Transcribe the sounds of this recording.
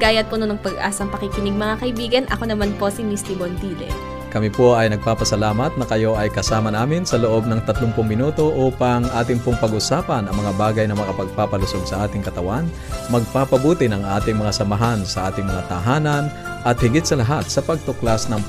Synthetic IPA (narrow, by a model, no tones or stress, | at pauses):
ɡaːjɐt̪̚pononɐŋpɐɡʔa̰ːsɐŋpɐkɪkɪnɪɡ̚mɐŋakɐʔɪbiːɡɐnʔɐ̰ko̞nɐmanpo̞simist̪ibont̪iːlɛ̰ | kɐmɪpo̞ʔɐjnɐɡ̚paːpɐsɐlaːmɐt̪̚nɐkɐjo̞ʔɐjkɐsaːmɐnaːmɪnsɐloʔo̞b̚nɐŋt̪ɐt̪lʊŋpʊŋmɪnuːt̪o̞ʔuːpɐŋʔaːt̪ɪŋpoŋpɐɡʔʊsaːpɐnɐŋmɐŋabaːɡɐjnɐmɐkapɐɡ̚paːpɐlʊso̞ɡsɐʔaːt̪ɪŋkɐt̪ɐwan | mɐɡ̚paːpɐbuːt̪ɪnɐŋʔaːt̪ɪŋmɐŋasɐmɐɦansɐʔaːt̪ɪŋmɐŋat̪ɐɦaːnɐn | ʔɐt̪̚hɪɡɪt̪̚sɐlɐɦat̪̚sɐpɐɡ̚t̪ʊklasnɐŋ